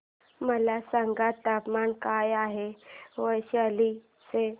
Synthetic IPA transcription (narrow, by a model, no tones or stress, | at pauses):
məlasaŋɡat̪ːapmankajaɦeʋəjɕiali | se